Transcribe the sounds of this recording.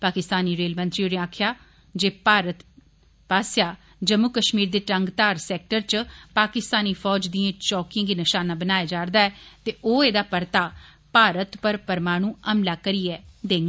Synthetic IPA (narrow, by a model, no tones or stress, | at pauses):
paːkɪst̪aːniːɾeːlmə̃nt̪ɾiːonẽaːkʰjaː | d͡ʒeːpaːɾət̪ | paːsjaː | d͡ʒəmːʊkəʃmiːɾd̪eːʈəŋɡt̪aːɾsɛːk̚ʈəɾt͡ʃpaːkɪst̪aːniːfʰɔːd͡ʒd̪iːãːt͡ʃɔːkɪ̃ːɡiːnəʃaːnaːbənaːjaːd͡ʒaːɾd̪aːɛːt̪eːʔoːeːd̪aːpəɾt̪aː | paːɾət̪pəɾpəɾmaːɽ̃ũːəmlaːkəɾiːɛːd̪eːŋɡ